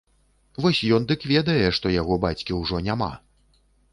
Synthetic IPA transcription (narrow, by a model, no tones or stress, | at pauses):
vɔsʲjɔnd̪ɨkvʲɛd̪ɐjɛʂt̪ɔjaɣɔbat͡sʲkʲiwʐɔnʲama̰